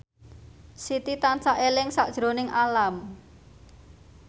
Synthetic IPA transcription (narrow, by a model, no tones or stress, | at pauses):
sit̪it̪ant͡ʃaʔelɪŋsaʔd̥ʒ̥ɾo̤nɪŋʔalam